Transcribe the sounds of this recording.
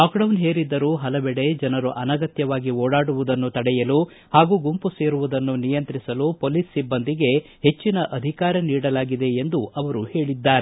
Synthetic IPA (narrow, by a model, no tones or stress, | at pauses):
aːkɖɐwnɦeːɾid̪ːɐɾuːɦɐlɐbɛɽe̞d͡ʒɐnɐɾuʔɐnɐɡɐt̪jɐʋaːɡioːɽaːɽuʋud̪ɐnːut̪ɐɽɛjɐlu | haːɡuːɡumpuse̞ːɾuʋud̪ɐnːunijɐnt̪ɾisɐlupoːlisːibːɐnd̪iɡe̞ | he̞t͡ʃːinɐʔɐd̪ʱikaːɾɐniːɽɐlaːɡid̪e̞ːnd̪uɐʋɐɾuhe̞ːɭid̪ːaːɾe